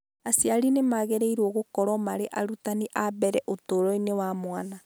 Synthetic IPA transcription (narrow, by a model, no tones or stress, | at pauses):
asjaɾinemaɣɛɾeiɾwɔɣokɔɾɔmaɾeʔaɾutaniʔaβɛɾɛʔotoɾɔinewamwana